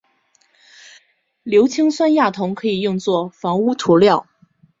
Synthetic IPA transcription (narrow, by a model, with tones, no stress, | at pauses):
ljo˧˥ʊt͡ɕʰi˥ŋswa˥nja˥˩t̪ʰʊ˧˥ŋkʰɤ˧˥i˨˩jʊ˥˧ŋt͡swɔ˥˩fɑ˧˥ŋu˥t̪ʰu˧˥ljɑ˥˩ʊ